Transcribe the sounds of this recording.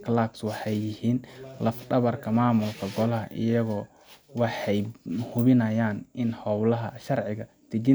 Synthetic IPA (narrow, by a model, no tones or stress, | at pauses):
kʰlabswɑħɑjːɪhiːnlɐfɖɐβɐrkʰɐmaːmʊlkʰɐɡɔlɐɦɐʔɪ̰jɐɣɔː | wɑħɑjhʊβɪnɐjaːnʔɪnhɔwlɐɦɐʃɐrʕɪɣɐ | d̪̥ɪɡɪ